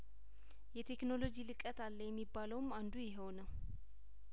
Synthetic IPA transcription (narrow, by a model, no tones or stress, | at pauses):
jɛt̪ʰe̞kno̞lo̞d͡ʒilɨkʼət̪ʰalːəjɛmːibːaləwmand̪ujɪɦəwnəw